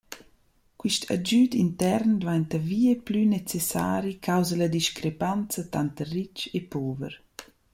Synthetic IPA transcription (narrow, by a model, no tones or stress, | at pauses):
kwiʃtʰa̰d͡ʒydint̪ɛɾnd̪vant̪aviːeplynet͡sesa̰ːɾikʰawzalad̪iʃkɾepant͡sat̪ant̪ərit͡ʃepoːvə̰ɾ